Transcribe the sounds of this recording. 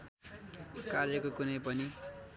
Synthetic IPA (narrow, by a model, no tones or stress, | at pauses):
karjʌkokunʌjp̬ʌni